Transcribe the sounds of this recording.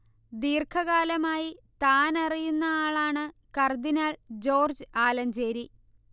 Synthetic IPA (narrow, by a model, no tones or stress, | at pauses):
d̪iːrkʰɐɣaːlɐmaːjit̪aːnɐrijunːɐaːɭaːɳɨkɐrd̪inaːld͡ʑo̞ːrd͡ʑɨaːlɐɲd͡ʑeːɾi